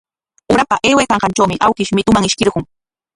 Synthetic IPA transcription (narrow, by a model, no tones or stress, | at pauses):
ʊɾapaʔeːwajkɑɴɢɑnt͡ʃawmɪʔawkɪʃmɪt̪ʊmaŋɪʃkɪɾɢʊŋ